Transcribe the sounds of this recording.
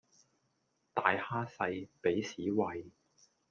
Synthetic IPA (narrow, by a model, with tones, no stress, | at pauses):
t̪aː˨jhaː˥sɐ˧jpe˨˥jsiː˨˥wɐ˧j